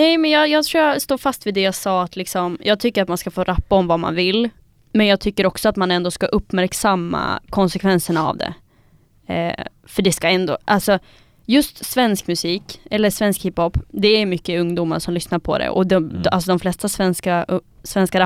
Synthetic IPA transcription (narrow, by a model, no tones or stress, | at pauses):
nɛjmɛnjɑːjɑːɡt̪ʰɾuːjast̪oːfast̪viːd̪ɛjaːɡsɑːat̪lɪksɔmjʔɑːɡ̚t̪ʰʏkːəɾat̪manskafoːɾapːaɔmvama̰nvɪlː | mɛnjɑːɡ̚t̪ʰʏkːəɾɔksɔat̪manɛnd̪oːskaʔɵpːmæɾksamːa̰kʰɔnsɛkʰvɛnsəɳaa̰vd̪ɛ̰ | fœɖɛskaɛnd̪o̰ːʔalsɔ | jɵst̪svɛnskmɵsiːkɛlːəʂvɛnskhɪphɔpːd̪ɛæjmʏkːəɵŋd̪uːma̰ɾʂɔmlʏsnaɾpʰɔ̰d̪ɛ̰ʔɔ̰d̪ʔals̬ɔd̪ɔmflɛst̪asvɛnska | svɛnskaɾa